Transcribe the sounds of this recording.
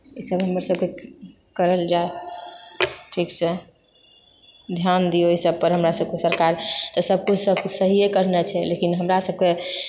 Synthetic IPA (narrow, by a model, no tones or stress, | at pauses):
isəbɦəməɾsəb̚ke | kəɾəld͡ʒae | ʈʰiksɛ | d̪ʱjand̪ijoisəb̚pəɾɦəmɾasəb̚kesəɾkaɾt̪ɔsəb̚kud͡ʒʰʱsəbkusəɦiekəɾnɛt͡ʃʰɛlekinɦəmɾasəb̚ke